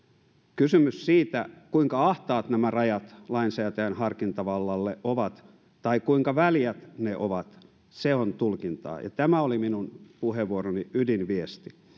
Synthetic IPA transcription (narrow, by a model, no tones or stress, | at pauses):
kysymyssiːt̪ækuiŋkɑɑht̪ɑːt̪næmærɑjɑt̪lɑinsæːt̪æjænhɑrkint̪ɑʋɑlːɑlːeʔʔoʋɑt̪ | t̪ɑikuiŋkɑʋæljæt̪neʔoʋɑt̪ | seont̪ulkint̪ɑ̰ːjɑ̰t̪æmæoliminunpuheʋʋuoɾoniydinʋiest̪i